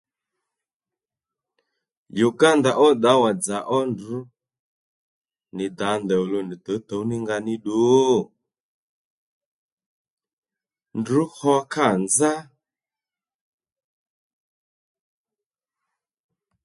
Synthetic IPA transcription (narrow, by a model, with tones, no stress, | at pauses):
ju˨ɡa˦nda˨ʔɔ˦d̪a˨˦wa˨d͡za˨ʔɔ˦ndu˨˦ | ni˨d̪a˨˦nd̪ɛ˨u˨lu˨ni˨t̪ɔ˨˦t̪ɔ˨˦ni˦ŋɡa˧ni˦ɗu˨˦˨ | ndu˨˦hɔ˦ka˦˨nd͡za˦